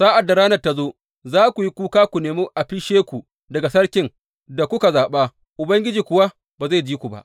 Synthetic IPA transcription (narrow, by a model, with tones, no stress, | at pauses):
saː˦ʔa˨dːa˨ɽaː˦nɐ˨rta˦zoː˦ | zaː˦kʷu˨ji˦kʷuː˦kaː˦kʷu˨neː˨muː˦ʔa˨ɸɪ˦ʃeː˦kʷu˨ | dɐ˨ɡa˨sɐ˦ɽkʲɪ˨ŋ | da˨kʷʊ˦ka˨zaː˨ɓa˦ | ʔʊ˨bɐ˦ŋɡʲɪ˦d͡ʒiː˨kʷʊ˨wa˦ | baː˨za˦˨d͡ʒiː˦kʷu˨ba̰˦ʔ